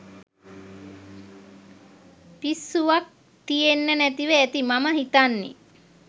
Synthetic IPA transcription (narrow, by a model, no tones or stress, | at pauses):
pisːuʋak̚ | t̪ijenːənæt̪iʋəæt̪imaməɦit̪anːḛ